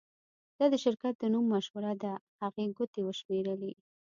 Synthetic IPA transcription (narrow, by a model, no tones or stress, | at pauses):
d̪̥ɑd̪əʃɪɾkat̪̚d̪ənumːaʃwaɾad̪ahaɣeɡʊt̪ewəʃmeɾəli